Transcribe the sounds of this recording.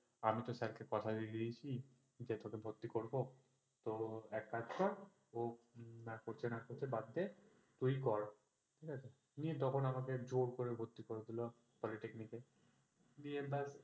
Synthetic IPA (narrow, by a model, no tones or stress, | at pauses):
amit̪osɛɾkʰekɔt̪ʰad̪id̪iet͡ɕʰi | d͡ʑet̪okebʱot̪ːikoɾbo | t̪oɛkːad͡ʑkaɾ | onakoɾt͡ɕʰenakoɾt͡ɕʰebad̪ːe | t̪ujkɔɾ | ʈʰikat͡ɕʰe | niet̪ɔkʰonamaked͡ʑoɾkoɾeɾbʱot̪ːikoɾed̪ilo | pɔliʈeknike | niebas